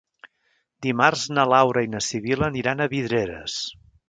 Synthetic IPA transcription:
d̪imarznəlawɾəinəsiβiləniɾanəβið̞ɾeɾə̰s

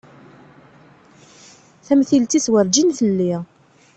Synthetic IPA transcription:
θæmθilt̪iθwəɾd͡ʒinθəlːi

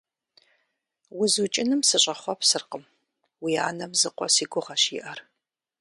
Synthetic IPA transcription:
wʊzut͡ʃʼɪnɨmsɨɕʼɐχʷɔpsɨrqəm | wia̰ːnɐmzɨqʷʼɔ̰siːɡʷʊʁɐɕɪ̰ʔɐr

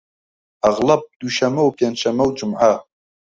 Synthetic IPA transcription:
ʔɐɣlɐb̚d̪̥uʃɐmɐwpʰɛnʃɐmɐwd͡ʒumʕa

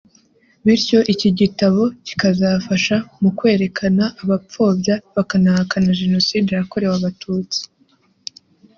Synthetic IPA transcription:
βiɾco̞ʔiciɟitaβo̞ci̥kazafaʃamukwe̞ːɾe̞kʰanaʔːβap͡fo̞ːbɟaβakanahakanaʒe̞no̞siːdeɾako̞ɾe̞waβatʰuːt͡si̥

